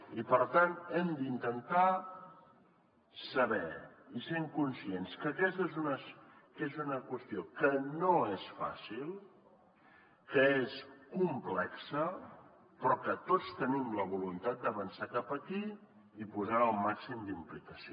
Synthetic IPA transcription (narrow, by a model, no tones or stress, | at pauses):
ipəɾt̪anɛmd̪int̪ənt̪a | səβɛiseŋkunsienskəkɛst̪ezunəezunəkwəst̪iokənoesfa̰silˠ | kəeskumplɛksə | pɾɔkət̪ot͡st̪ənimləβulunt̪at̪̚d̪əβənsakapəkiː | puzaəːlˠmaksimd̪implikəsi